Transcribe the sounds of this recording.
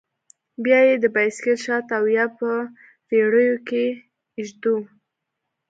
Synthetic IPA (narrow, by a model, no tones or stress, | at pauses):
bjɑjed̪əbajskelʃɑt̪awjapə | ɾeɽəjoke | ɪʒd̪u